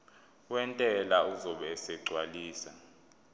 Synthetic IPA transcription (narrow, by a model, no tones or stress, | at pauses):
wɛntʼɛlauzɔɓɛsɛɡ͡ǀʱwaliːsa